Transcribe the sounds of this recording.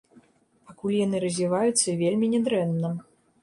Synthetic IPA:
pakulʲjanɨɾɐzʲvʲivajut̪sːɐvʲelʲmʲinʲɛd̪ɾɛnnɐm

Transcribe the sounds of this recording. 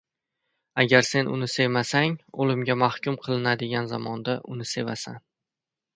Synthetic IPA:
aɡʲaɾse̞nʊ̰nɪse̞masaŋolɪmɡʲamahkʲʊmqʰɨlˠɪnad̪ɪɡʲanzamɒnd̪aʔʊnɪse̞vasa̰n

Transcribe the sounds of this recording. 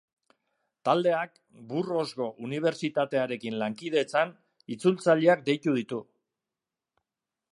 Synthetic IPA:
t̪ald̪e̞ak̚ | buro̞zɣo̞ʔuniβ̞e̞ɾt͡ʃit̪at̪e̞aɾe̞kinlaŋkið̞e̞t͡san | it͡sult͡saʎeak̚d̪e̞jt̪uð̞it̪u

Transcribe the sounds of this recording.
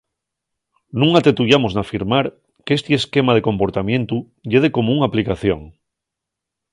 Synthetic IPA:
nũŋat̪e̞t̪uʝamoznafiɾmaɾ | ke̞st̪ieske̞mað̞e̞ko̞mpo̞ɾt̪amjẽ̞nt̪u | ʎeð̞eko̞mouŋaplikaθjo̞̰ŋ

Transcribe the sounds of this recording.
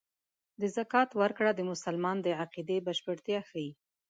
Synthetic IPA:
d̪əzakɑt̪waɾkɽad̪əmʊsalmɑnd̪əʕaqid̪ebaʃpəɽt̪jɑxaji

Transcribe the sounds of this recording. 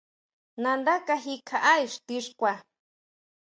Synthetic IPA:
nandakaɦikʰaʔajʂt̪iʂkʷa

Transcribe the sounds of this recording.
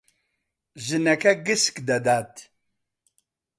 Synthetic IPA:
ʒɨnɛkʰɐɡɨskd̪ɐd̪aːt̪

